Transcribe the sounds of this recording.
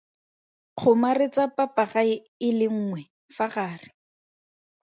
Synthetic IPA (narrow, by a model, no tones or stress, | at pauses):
k͡xʰʊmarɪt͡sapʼapaχa | ɪlɪŋ̩ːŋwɛ | faχaːrɪ